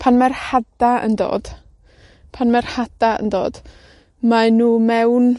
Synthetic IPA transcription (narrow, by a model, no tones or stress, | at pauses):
pʰanmɛrhadaə̰ndo̰ːd̥ | pʰanmɛrhad̥aə̰ndo̰ːd̥ | manuːmɛwn